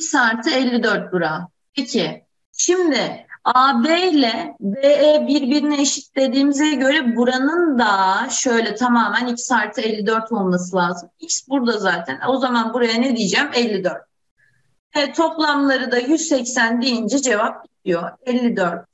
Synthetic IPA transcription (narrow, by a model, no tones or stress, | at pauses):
icsaːɾt̪ʰɯɛlʲːid̪øɾt̪̚buɾa | pʰecʰɪ | ʃimd̪ɪabelʲɛbeɛbiɾbiɾinieʃit̪le̞d̪iːmizɛɟø̞ɾɛbuɾanɯnd̪aʃø̞jlʲɛt̪ʰamaːmænicʰi̥saːɾt̪ʰɯɛlʲːid̪øɾt̪ʰo̞lˠmasɯlˠaːzɯmicsbuɾd̪azaːt̪ʰæno̞zamanbuɾajaned̪ijid͡ʒæmɛlʲːid̪øɾt̪̚ | hɛt̪ʰo̞plˠamlˠaɾɯd̪ajyzsɛcsænd̪ejind͡ʒɛd͡ʒe̞vap̚ɟit̪ʰijo̞ɛlʲːid̪øɾt̪̚